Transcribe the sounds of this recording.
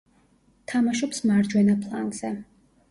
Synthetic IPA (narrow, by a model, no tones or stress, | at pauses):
t̪ʰamaʃɔpsmaɾd͡ʒwɛnapʰlˠa̰ŋɡz̥ɛ